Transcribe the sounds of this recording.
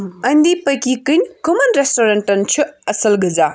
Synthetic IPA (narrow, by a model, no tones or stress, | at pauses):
mɐjnd̪ipɐjkikɯjnkomɐnɾestoɾentɐnt͡ʃʰɯɐsɐlɡɐd͡ʒa